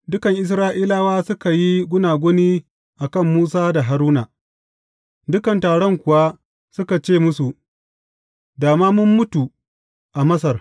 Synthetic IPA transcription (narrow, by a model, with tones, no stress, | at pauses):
dʊ˦kɐ˨ŋʔɪ˨s̬ɾaː˦ʔiː˦laː˦waː˦sʊ˦ka˨ji˦ɡʷʊ˦naː˨ɡʷʊ˦niː˦ | ʔa˨kɐ˦˨mːuː˦saː˦da˨ɦa˨ɾuː˦naː˨ | dʊ˦kɐ˨ntaː˨ɽɔ˦ŋkʷʊ˨wa˦ | sʊ˦ka˨t͡ʃeː˦˨mʊ˦su˨ | daː˨maː˦mʊ˦mːʊ˦tu˨ | ʔa˨mɐ˦s̬ɐ˨r